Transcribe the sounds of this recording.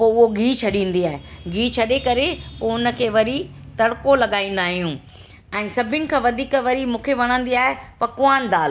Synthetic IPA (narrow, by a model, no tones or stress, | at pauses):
poːʊɦoɡʱiːt͡ɕʰɐɗĩːn̆d̪iaːɦeɡʱiːt͡ɕʰɐɗekɐɾepoːʊnə̆kʰeːʋɐɾi | t̪ɐɽkolɐɠaːĩːn̆d̪aːɦijũ | ɛ̃ːsɐbʱɪʊnɪ̆kʰãːʋɐd̪ʱiːkʋɐɾimũːkʰeʋɐɽ̃ə̃nd̪iaːɦepɐkʊãːnɪd̪aːl